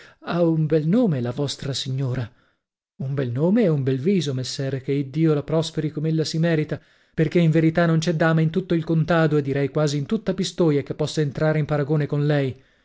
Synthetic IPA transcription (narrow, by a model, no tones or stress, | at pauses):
aumbɛlnoːmelavɔst̪ɾasiɲːoːɾa | umbɛlnoːmeɛumbɛlviːzomesːɛːɾekeid̪ːiːolapɾɔspeɾikomeelːasimɛːɾit̪a | perk̟eiɱveɾit̪anːont͡ʃɛd̪ːaːmaint̪ut̪ːoilkont̪aːd̪oed̪ːiɾɛjkwaːziːnt̪ut̪ːapist̪oːjakepːɔsːaent̪ɾaːɾeimpaɾaɡoːnekonlɛj